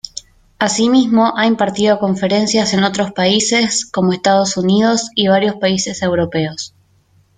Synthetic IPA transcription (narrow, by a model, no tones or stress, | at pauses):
asimizmo̞ʔaimpaɾt̪iðo̞ko̞ɱfe̞ɾe̞nsjase̞no̞t̪ɾo̞spaise̞sko̞mo̞e̞st̪að̞o̞sunið̞o̞siβ̞aɾjo̞spaise̞se̞wɾo̞pe̞os